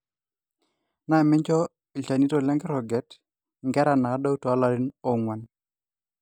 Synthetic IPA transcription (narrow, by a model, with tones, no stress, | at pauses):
na˨mɪ˦ɲt͡ʃɔ˦ | i˨t͡ʃa˨ni˦to˨lɛ˦ŋɡɾɔ˨ɡɛ˨˦t | ŋɡɛ˦ɾa˨na˨˦da˦tɔ˨a˦la˦ɾi˦nɔ˨ŋwa˨n